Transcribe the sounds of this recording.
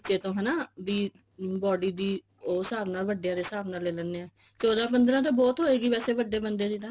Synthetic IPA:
t͡ʃeːt̪õːɦɛːnaːʋiː | bɔːɖiːd̪iː | oːsaːbnaːlʋəɖjãːd̪eːsaːbnaːleːlɛnːeːɛ̃ː | t͡ʃɔːd̪ãːp̬ənd̪ɾãːt̪̬õːbɔːt̪ɦoːeːɡiːʋɛːseːʋəɖːeːbənd̪eːd͡ʒiːt̪ãː

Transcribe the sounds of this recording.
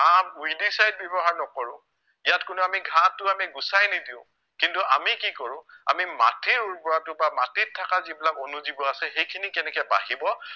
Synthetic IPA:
amujdisajd̚bɛbɔɦaɹnɔkɔɹʊ̃ | ijatkʊnuamiɡʱãtːʊamiɡusajnidiʊ̃ | kintua̰mikikɔɹʊ̃a̰mima̰tiɹuɹpɔɹatʊbamatitʰːakazibilakonuzibɔasɛxejkʰinikɛnɛkɛba̰ɦibɔ

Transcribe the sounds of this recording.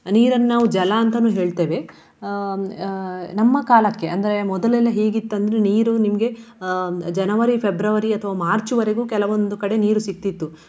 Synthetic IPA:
niːɾɐnːaːʋud͡ʒɐlaːnt̪ɐnuːɦe̞ːɭt̪eːʋe̞ | nɐmːɐkaːlɐkːe̞ʔɐnd̪ɐɾe̞mɔd̪ɐlɛlːɐɦeːɡit̪ːɐnd̪ɐɾeniːɾunimɐɡe̞ | d͡ʒɐnɐʋɐɾipʰebɾɐʋɐɾiɐt̪ʰɐʋaːmaːɾt͡ʃuʋɐɾeɡuːkɛlɐʋond̪ukɐɽe̞niːɾusikt̪ːit̪ːu

